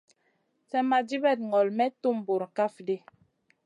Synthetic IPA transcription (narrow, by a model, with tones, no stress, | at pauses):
sɛ˦ma˨d͡ʒi˦bɛ˦˨t̚ŋɔ˨lmɛ˦tu˦˨mbo˨ɾka˦˨fde˦